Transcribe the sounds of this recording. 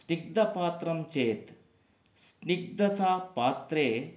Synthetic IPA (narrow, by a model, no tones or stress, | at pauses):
sniɡ̚d̪ɐpaːt̪ɾɐmt͡ʃeːt̪ | sniɡ̚d̪ɐt̪ʰaːpaːt̪ɾeː